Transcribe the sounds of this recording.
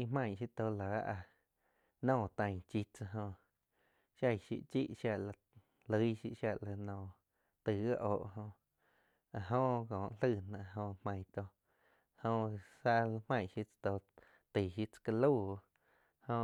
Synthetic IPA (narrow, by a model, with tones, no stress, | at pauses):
i˧mã˧˨ʃi˦t̪o˧laː˨˦ʔa˧ | nɔ̃ː˦˧˨t̪ã˧ŋt͡ʃi˧t͡sa˧ɦõ˧ | ʃja˦˧˨jʃḭ˧ʔt͡ʃḭ˦ʔʃja˧ʔla˧ | lə˧˦ʃḭ˧ʔʃja˧ʔla˧nɔ̃ː˧˨ | t̪ɨ˨ɡa˦ʔoː˨ʔɦõ˧ | a˨ɦõ˧ʔkõː˨ʔl̥ɨ˧˨nã˧ɦõ˧mã˧˨t̪o˧ | hõ˧sa˧la˧mã˧˨ʃi˧t͡st̪o˧ | t̪i˨ʃi˧t͡sḁ˧ka˧lu˦˨˧ | hõ˧